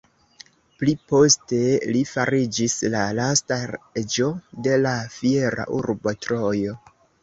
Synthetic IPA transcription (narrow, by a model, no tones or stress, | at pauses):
plipo̞ste̞lifaɾid͡ʒislalastaed͡ʒo̞de̞lafieɾa̰ʔuɾbotɾojo̞